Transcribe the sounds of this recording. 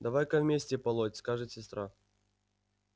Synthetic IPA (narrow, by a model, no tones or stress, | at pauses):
d̪ɐvajkɐvmʲesʲtʲɪpɐlˠotʲskaʐɨt̪sʲɪst̪ɾa